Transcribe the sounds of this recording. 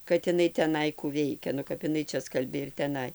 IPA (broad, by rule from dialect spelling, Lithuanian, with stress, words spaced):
kɐt ɪˈnɐɪ tʲɛˈnɐɪ kuː ˈʋʲɛɪkʲɛ nʊ kɐp ɪˈnɐɪ ˈt͡ʃʲɛ ˈskɐlʲbʲeː ɪr tʲɛˈnɐɪ